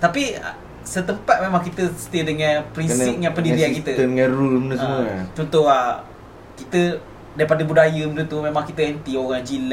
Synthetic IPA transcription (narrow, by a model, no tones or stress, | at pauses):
t̪apiə̰ | sət̪əmpat̪̚memãŋkit̪əsət̪edəŋɛ̃npɾinssip̚ŋãnpəndiɾiankit̪əŋãrulmnəə̃ət͡ʃɔnt̪ʊha | kit̪ə | daipadəbudajəmədut̪umẽmãŋkit̪əənt̪ioɣaŋd͡ʒila